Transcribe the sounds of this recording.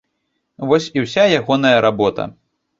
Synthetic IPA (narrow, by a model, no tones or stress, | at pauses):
vɔsʲiwsʲajaɣɔnɐjɐɾabɔt̪ɐ̰